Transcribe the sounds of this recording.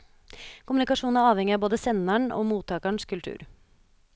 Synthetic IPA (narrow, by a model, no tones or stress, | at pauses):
kʰʊmʉnɪkɑʂuːnn̩æɾɑːʋhɛŋːɪɑboːd̪əsɛnæɳo̰ːmuːt̪ʰɑːkæɳskʰʉlt̪ʰʉ̰ːɾ